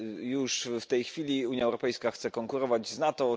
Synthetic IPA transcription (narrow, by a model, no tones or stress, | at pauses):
juʂft̪ɛjxfʲilʲiuɲjaɛwɾɔpɛjskaxt̪sɛkɔŋkuɾɔvad͡ʑznat̪ɔ